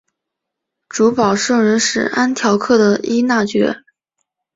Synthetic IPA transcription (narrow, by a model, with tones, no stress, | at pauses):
ʈ͡ʂu˧˥pɑ˨˩ʊʂɤ˥˩ŋɻə˧˥nʂɻ̩˨˩a˥nt̪ʰjɑ˧˥ʊkʰɤ˥˩d̪ə˩i˥na˥˩t͡ɕɥɛ̰˧˥